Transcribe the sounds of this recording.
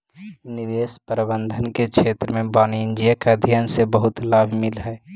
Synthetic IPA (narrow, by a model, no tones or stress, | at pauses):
niʋespəɾibənd̪ʱənkekʃʰet̪ɾəmẽbaːniɪnd͡ʒijakad̪ʱjansebəɦut̪laːbʱmɪlɦɛ